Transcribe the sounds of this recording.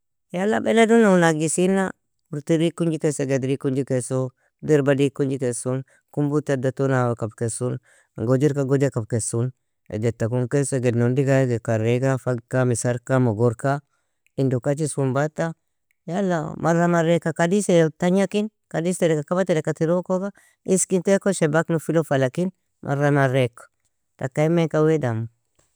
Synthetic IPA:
jalːabeledunaunaɡisina | uɾtiɾikuɲd͡ʒikeseɡedɾikuɲd͡ʒikeso | diɾbadikund͡ʒikesun | kumbutadatonawakabkesun | ɡod͡ʒiɾkaɡod͡ʒakab̚kesun | ḛd͡ʒetːakumkeseɡednondikajɡekaɾekafaɡkamisaɾkamoɡoɾka | indokat͡ʃisumbatːa | jalːa̰maɾamaɾekːakadisetaɲakin | kadisedekakabatedekatiɾokoka | iskintekoʃebaknufilofalakin | mʔa̰ɾamaɾekḁ | takaimeŋkawedam

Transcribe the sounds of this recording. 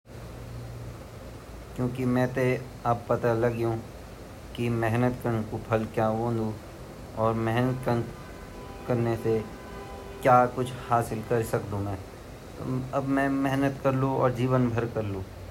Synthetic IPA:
kjõːkimɛ̃ːt̪e | ɐb̚pɐt̪alɐɡjũː | kimɛɦnət̪kəɾnekopʰɐlkjaːõːnd̪ũ | ɔːɾmɛɦnət̪kən | kɐɾnese | kjaːkʊt͡ʃʰhaːsɪlkɐɾsɐkd̪ũmɛ̃ː | ɐbmɛ̃ːmɛɦnət̪kɐɾlũɔ̰ːɾd͡ʒiːʋənbʱɐɾkɐɾlũː

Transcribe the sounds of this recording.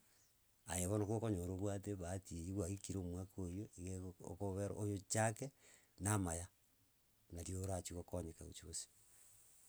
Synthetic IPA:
ajeβonakokoɲoɾoβwateβatieiɣwaɣikiɾomwakʰojoiɣḛkoβeɾ̰ʔojot͡ʃake | namaja | naɾjoɾat͡ʃiɣokɔɲekaṵt͡ʃiɣosi̥

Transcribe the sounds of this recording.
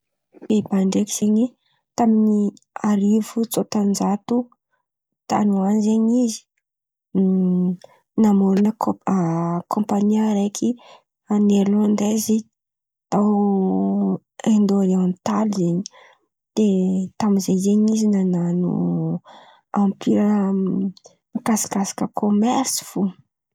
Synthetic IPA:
b̥ebaɳɖ͡ʐeki̥z̥eɲi | t̪amini | aɾivut͡sot̪and͡ʒat̪u | t̪a̰nuanzeɲizi̥ | namuɾunəakʰõmpaniaɾekʰi | aneɾland̪ezi | t̪aw | end̪oɾewant̪alizeɲi | d̪̥et̪amizezeɲizinananṵ | ampʰiɾə | kasḁkasḁkəkʰomɛɾsi̥fu

